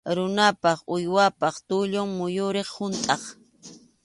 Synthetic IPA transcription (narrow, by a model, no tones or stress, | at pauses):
ɾʊnapɑχʊjwapɑχt̪ʊʎʊŋmʊjʊɾeχhʊnt̪ʼɑχ